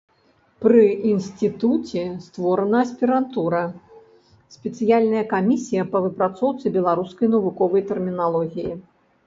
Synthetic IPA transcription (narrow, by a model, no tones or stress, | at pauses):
pɾɨinsʲt̪ɨt̪ut͡sʲɛst̪vɔɾɐnɐːsʲpʲiɾant̪uɾɐ | sʲpʲɛt̪sɨjalʲnɐjɐkamʲisʲijɐpɐvɨpɾat̪sɔwt̪sɨbʲɛlˠaɾuskɐjnɐvukɔvɐjt̪ɛrmʲinalˠɔɣʲiji